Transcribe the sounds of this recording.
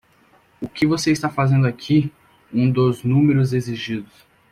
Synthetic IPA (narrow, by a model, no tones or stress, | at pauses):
ʊkɪvoseist̪afazẽnd̪ʊakʰi | ũd̪ʊznũmeɾʊzeziʒid̪ʊs